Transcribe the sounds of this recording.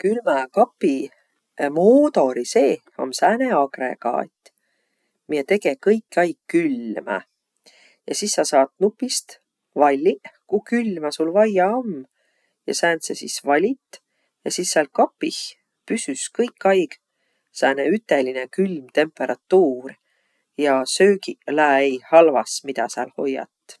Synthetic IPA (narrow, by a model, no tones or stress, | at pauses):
kylmækɑpːi | moːt̪o̞ɾise̞ː | o̰msæːneɑɡrḛkɑ̰et̪ːˑ | miet̪e̞ɡ̥e̞kɤjkːˑɑjɡ̥kːylmæ̰ | jɑsisːɑsɑːt̪nupːˑist̪ | vɑlʲːikukylmæsulvɑjɑom | jɑsæːnsesisvɑlʲit̪ː | jɑsisːɑlkɑpːih | pysyskɤjkːˑɑjɡ̥ | sæːneyt̪ːˑe̞linekylmt̪e̞mpːe̞ɾʔɑt̪ːuːr | jɑsøːkilæːejhɑlvɑsmid̪ɑsɑ̰lho̞̰jːɑ̰t̪ːˑ